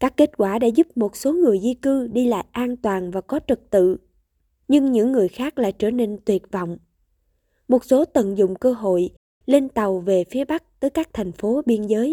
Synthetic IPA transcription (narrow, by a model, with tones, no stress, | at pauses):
kaː˦˥kːe˦˥t̚kwaː˧˩ɗa̰ː˧˥zʊ˦˥p̚mo˨˩t̚so˨˦ŋɨ˨˩əjzi˧kɨ˧ɗi˧la̰ː˧˨jʔaː˧nt̪waː˨˩nvaː˨˩kɔ˨˦t͡ɕɨ˨˩k̚t̪ɨ̰˧˨ | ɲɨ˧ŋɲɨ̰˧˥ŋːɨ˨˩əjxaː˦˥k̚la̰ː˧˨jt͡ɕəː˧˩ne˧nt̪wi˨˩ət̚vɔ̰˧˨wŋ͡m | mo˨˩t̚so˨˦t̪ə̰˧˨nzʊ̰˧˨ŋ͡mkəː˧ɦo̰˧˨j | le˧nt̪a˨˩wve˨˩fi˨˦əɓa˦˥k̚t̪əː˨˦jkaː˦˥k̚t̪ʰa˨˩jŋ̟fo˨˦ɓi˧ənzəː˨˦j